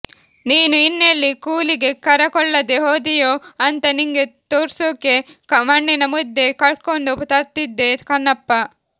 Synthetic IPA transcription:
niːnuinːelːikuːliɡe̞kɐɾɐkɔɭːɐd̪eɦoːd̪ijoːɐnt̪ɐniŋɡet̪oːɾsoːkekɐmɐɳːinɐmud̪ːe̞kɐɭkoɳɖupt̪ɐɾt̪id̪ːe̞kɐnːɐpːɐ

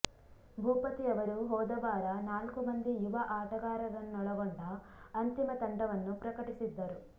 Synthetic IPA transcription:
bʱuːpɐt̪iɐʋɐɾuɦɔːd̪ɐʋaːɾɐnaːlkumɐnd̪ijuʋɐʔaːʈɐɡaːɾɐd̪ɐnːɔɭɐɡoɳɖɐ | ɐnt̪imɐt̪ɐɳɖɐʋɐnːupɾɐkɐʈisid̪ːɐɾu

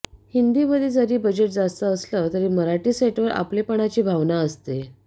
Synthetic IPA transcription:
hind̪iːbəd̪id͡zəɾiːbəd͡ʑeʈ̚d͡zast̪əːslət̪əɾiːməɾaʈiːseʈʋəɾa̰plepəɳ̃at͡ɕiːbʱaʋnaəst̪e

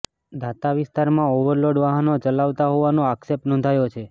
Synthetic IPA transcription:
d̪at̪aʋɪst̪aɾmãoʋəɾloɖʋaɦanot͡ʃəlaʋt̪aɦɔʋanoaksep̚ʈnɔ̃nd̪ʱajot͡ʃʰe

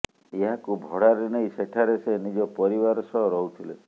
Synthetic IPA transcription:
eɦakubʱɔɽaɾeneĩseʈʰaɾesenid͡ʒɔpɔɾibaɾɔsɔɦɔɾɔɦut̪ʰile

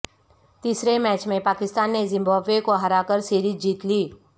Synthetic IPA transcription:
t̪isɾemɛt͡ʃmẽpaːkɪst̪aːnːezɪ̃mbaːbekoɦəɾakəɾsiːɾiːd͡ʒiːt̪liː

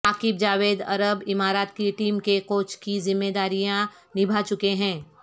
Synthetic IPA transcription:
aːkɪb̚d͡ʒaːʋeːd̪ɐ̰ɾəbɪmaːɾaːt̪̚kiʈiːmkekoːt͡ʃkizɪmːeːd̪aːɾijã | nɪbʱat͡ʃʊkeɦɛ̃ː

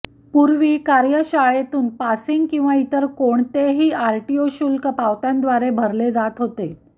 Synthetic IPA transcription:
puɾʋiːkaɾjəɕaɭet̪uːnpasiŋɡkĩw̃ʋait̪əɾkoɳt̪eɦiːaɾʈioɕuːlkəpaʋt̪jãnd̪ʋaɾebʱəɾled͡zat̪ɦot̪e

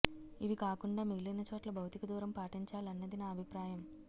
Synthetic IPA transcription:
iʋikaːkuɳɖaːmiɡilɐnɐt͡ʃoːʈlɐbʱɐwt̪ikɐd̪uːɾɐmpaːʈiɲt͡ʃaːlɐnːɐd̪inaːɐbʱipɾaːjɐm

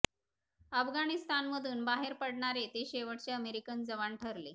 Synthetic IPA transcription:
əfɡanist̪anməd̪ʱuːnbaɦeɾpəɽɳaɾet̪eɕeʋəʈt͡ɕeəmeɾikənd͡zəʋaɳʈʰəɾle

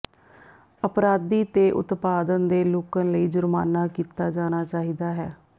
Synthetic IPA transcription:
əpɾaːd̪iːt̪eːʔʊ̰t̪paːd̪ənd̪eːloːkənləiːd͡ʒʊɾmaːnaːkiːt̪aːd͡ʒaːñaːt͡ʃaːɦiːd̪aːɦɛː

